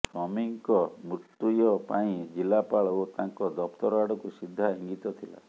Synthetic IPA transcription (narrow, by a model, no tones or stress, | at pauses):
sɔmiŋkɔmuʈːujɔpaĩd͡ʒilapaɭɔot̪aŋkɔd̪ɔpʰt̪ɔɾɔaɽɔkusid̪ʱːaɦiŋɡit̪ɔt̪ʰila̰